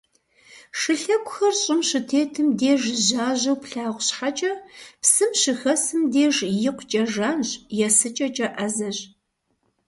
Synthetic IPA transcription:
ʂɨɬɐkʷʼʊxɐrɕʼɪmʃɨtʰeːtʰɨmdeːʒʑaːʑɐwpɬaːʁʷɕħat͡ʃʼɐpsɨmʃɨxɐsɨmdeːʐjɪqʷt͡ʃʼɐʒaːnɕjɛsɨt͡ʃʼɐt͡ʃʼɐʔɐzɐʑ

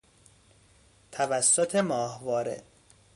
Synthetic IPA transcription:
t̪ʰævæsːot̪ʰemɒːhvɒːɾḛ

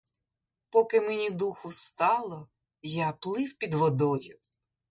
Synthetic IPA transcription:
pɔkɪmenʲid̪uxʊst̪ɑlˠɔ | japlˠɪwpʲid̪ʋɔd̪ɔjʊ

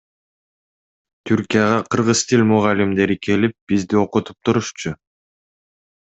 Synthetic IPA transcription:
t̪ʰyɾkʲijaʁɑqʰɯɾʁɯz̥t̪ʰilʲmʊʁɑlʲimd̪e̞ɾikʰe̞lip̚b̥izd̪io̞qut̪u̥p̚t̪ʰuɾuʃt͡ʃʊ

